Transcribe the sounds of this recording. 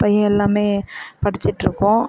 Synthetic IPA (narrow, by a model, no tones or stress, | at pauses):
pɐjɐ̃ɛlːaːmeːpɐɽɪt͡ʃːɪʈːɾɯkːʊ̃